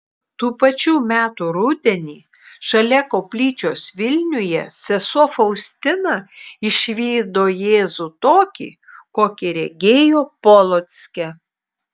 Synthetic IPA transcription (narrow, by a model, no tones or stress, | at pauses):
t̪uːpɐt͡ʃʲuːmʲæːt̪uɾʊd̪ʲɛnʲiː | ʃɐlʲɛkoːpʲlʲiːt͡ʃʲoːsʋʲɪlʲnʲʊjɛsʲɛsuɔfɐʊsʲt̪ʲɪnɑɪʃʲʋʲiːd̪oːjeːzuːt̪oːkʲḭː | koːkʲɪɾʲɛɡʲeːjoːpɔlˠot̪sʲkʲɛ